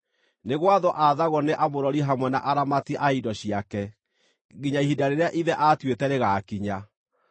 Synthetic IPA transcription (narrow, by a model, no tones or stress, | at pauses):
neɣwaðɔʔaðaɣɔneʔamoɾɔɾiɦamwɛna̰ʔaɾamatiʔaidɔɕiakɛ | ɣiɲaiɦidaɾeɾeaʔiðɛʔatwetɛɾeɣakiɲa